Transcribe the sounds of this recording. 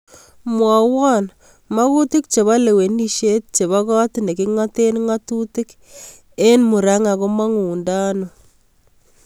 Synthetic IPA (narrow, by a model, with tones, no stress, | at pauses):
mwɔ˨wɔ˦n | ma˦ku˦tɪ˦k̚t͡ʃe˨βa˦le˨we˨ni˦ʃe˦t̚t͡ʃe˨βa˦kɔ˦tne˨ki˦ŋa˦te˦nŋa˦tu˦tɪ˦k | e˦nmu˨ɾa˦ŋa˨ko˦ma˦ŋuː˨nda˦no˨